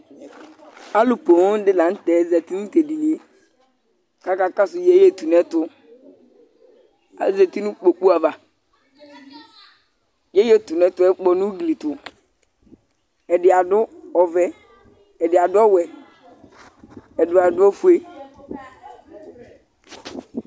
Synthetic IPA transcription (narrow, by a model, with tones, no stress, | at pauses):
a˦lʊ˨po˨˦n˦dɪ˦lã˨n̩˦tɛ˨˦zɛ˨ti˦nʊ˦te˨di˨li˨e˦ | ka˦ka˦ka˦sʊ˨je˦je˦tu˨nɛ˦tʊ˨˦ | a˨˦zɛ˨ti˦nʊ̃˦k͡po˨k͡pu˦a˨va˨ | jɛ˦je˦tu˨nɛ˦tʊ˨˦ɛ˦k͡pɔ˨nʊ̃˦ɡli˨tʊ˨ | ɛ˨dɪ˨a˨dʊ˦ɔ˨vɛ˨ | ɛ˨dɪ˨a˨dʊ˦ɔ˦wɛ˨ | ɛ˨dʊ˨a˨dʊ˦ɔ˦fu˦e˦